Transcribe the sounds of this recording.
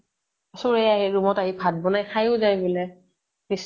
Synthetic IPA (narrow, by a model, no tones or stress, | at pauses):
asʊɹejaɦiɹumɔtaɦibʱad̚bɔnajxajʊzajbilɛ | bis